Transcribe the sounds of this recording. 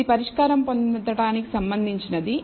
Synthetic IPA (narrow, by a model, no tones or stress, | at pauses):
ipɐɾiʂkaːɾɐmpond̪ɐɽaːniki̥sɐmbɐnd̪ʱiɲt͡ʃinɐd̪i